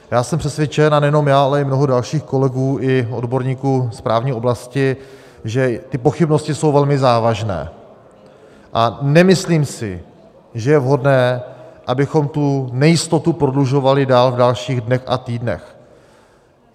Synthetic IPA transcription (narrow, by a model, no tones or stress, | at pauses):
jaːsɛmpr̥ɛsvjɛt͡ʃɛnanɛjɛno̞mjaːalɛɪmno̞ɦodalʃiːxko̞lɛɡuːʔɪʔo̞dbo̞ɾɲiːkuːspɾaːvɲiːo̞blascɪ | ʒɛt̪ɪpo̞xɪbno̞scɪso̞wvɛlmɪzaːvaʒnɛ̰ː | ʔanɛmɪsliːmsɪ̰ | ʒɛjɛvɦo̞dnɛːʔabɪxo̞mt̪unɛjɪst̪o̞t̪upɾo̞dluʒo̞valɪdaːlvdalʃiːɣdnɛxa̰t̪iːdnɛ̰x